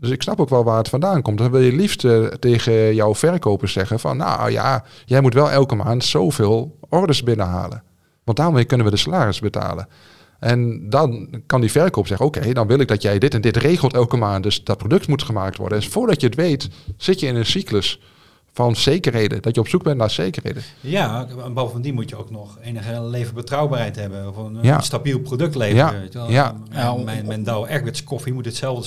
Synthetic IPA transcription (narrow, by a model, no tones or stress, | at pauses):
døsɪksnɑpoːkʋɛlˠʋaːətfɔndaːnkɔmtdɔnʋɪlˠjəlifstəteːɣəjɔwfɛrkowpəsɛɣənfɔ̰nːa̰ja̰ | jɛjmutʋɛlˠʔɛlˠkəmaːntsoːv̥eːlˠɔrdəɹsbɪnəɦa̰ːlə̰n | ʋɑntdaːrmejkɵnənʋədəsalaːrɪsbətʰa̰ːlˠən | ʔɛndɔnkɑndifɛrkoːpsɛɣənowkejdɔnʋɪlˠɪk̚dɔtjɛjdɪtɛndɪtreːɣəl̩ˠtɛlˠkəmaːntdøsdɑt̚prodɵktmutχəmaːk̚tʋɔ̰ɹdəfʊːɹdɑtjəətʋejtsɪtjəɪnənsikləs | fɑnsejkərɦejdə̰dɔtjəɔpsuɡ̚bɛnnaːɹsejkərhḛjdəjabovəndimutjəowk̚nɔχeːnəχəlejvəbətrawbaːrɦɛjtɦɛbənfnja̰stabilˠprodɵk̚tlejajaɛmɛjndawɛɹk̚bɪtskɔfimutətsɛlˠvdə